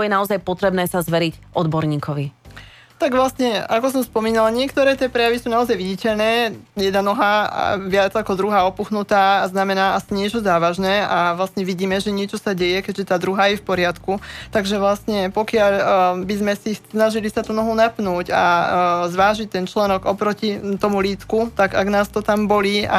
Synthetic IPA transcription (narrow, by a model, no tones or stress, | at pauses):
jɛnaɔzajpɔt̪ɾɛbnɛːsazʋɛɾicʔɔd̪bɔɾɲiːkɔʋi | t̪aɡʋlasɲɛakɔsɔmspɔmiːnalɲɪɛkt̪ɔɾɛːt̪ɪɛpɾɛjaʋisuːnaɔzajʋiɟicɛʎnɛːjɛd̪nanɔɦa̰ʋɪad͡zakɔd̪ɾuɦaːɔpuxnut̪aːznamɛnaːʔasiɲɪɛt͡ʃɔzaːʋaʒnɛːaʋlasɲɛʋiɟiːmɛʒɛɲɪɛt͡ʃɔsaɟɛjɛkɛɟʒɛt̪aːd̪ɾuɦaːjɛfpɔɾɪat̪kut̪aɡʒɛʋlasɲɛpɔkɪaʎbizmɛsinaʒilisat̪ɔnɔɦunapnuːca̰zʋaːʒic̚t̪ɛnt͡ʃlɛnɔɡɔpɾɔcit̪ɔmuliːt͡skut̪aɡa̰ɡnaːst̪ɔt̪ambɔliːʔa̰